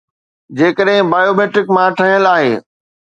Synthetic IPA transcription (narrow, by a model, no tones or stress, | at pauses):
d͡ʑeːkəɗɦɪ̃baːjoːmeːʈɾɪkmãʈʰɐɦɪəlaːɦeː